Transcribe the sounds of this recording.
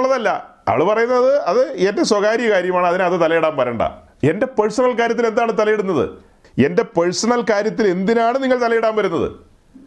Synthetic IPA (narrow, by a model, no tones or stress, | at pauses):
ɭːɐðɐlːɐ̰ɐ̰ʋɭɨpɐrɐjunːɐɐðɨɐðɨendeswɐɣaːɾijɐkaːɾjɐmaːɳɨɐðinɨɐðɨt̪ɐlɐjiɽaːmpɐɾɐːɳɖɐ̰ | e̞nde̞peɻsɐɳɐlkaːɾjɐt̪ːile̞nd̪aːɳɨt̪ɐlɐjeɽunːɐðɨ̰ | e̞nde̞peɻsɐɳɐlkaːɾjɐt̪ːile̞nd̪inaːɳɨniŋːɐɭt̪ɐlɐjiɽaːmbɐɾunːɐðɨ̰